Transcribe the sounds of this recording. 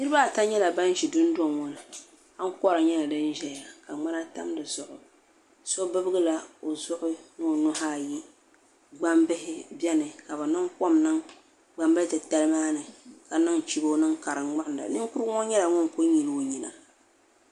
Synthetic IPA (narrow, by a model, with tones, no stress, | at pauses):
nɨ˦ɾɨ˦ba˦˨ta˦ɲɛ˦la˨ba˦n˦ʒi˨dʊ˦ndɔ˨ŋŋɔ˦nɨ˨ | a˦ŋ˦kɔ˦ɾa˨ɲɛ˦la˨dɨ˦n˦ʒɛ˦˨a˨ka˨ŋ͡ma˦na˦ta̰˦mdɨ˨zʊ˨ʔʊ˨ | so˦bɨ˦bɨ˦ɡɨ˦la˦o˨zʊ˦ʔʊ˦nɨ˦˨nʊ˦haː˦˨ji˦ | ɡ͡ba˦mbɨ˦hɪ˦bɛ˦nɨ˨ka˨bɨ˨nɨ˦ŋkɔ˦mnɨ˦ŋ | ɡ͡ba˦mbɨ˦tɨ˨ta˦lɨ˦maː˦nɨ˨ka˨nɨ˦ŋ˨t͡ʃi˦bo˦nɨ˦ŋka˨ɾɨ˨ŋ͡ma˦nda̰˨nɨ˦ŋ˦kʊ˦ɾɨ˦ŋɔ˦ɲɛ˦la˨ŋɔ˦ŋko˦ɲi˨lo˨ɲi˨na̰˨